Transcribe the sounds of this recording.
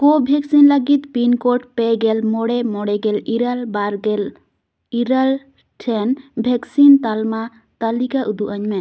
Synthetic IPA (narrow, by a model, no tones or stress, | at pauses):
kobʱɛksinlaɡit̪pinkoʈpɛɡɛlmɔɽɛmɔɽɛɡɛliɾalbaɾɡɛl | iɾal | ʈʰɛnbʱɛksint̪alma | t̪alikaʔud̪uʔaɲmɛ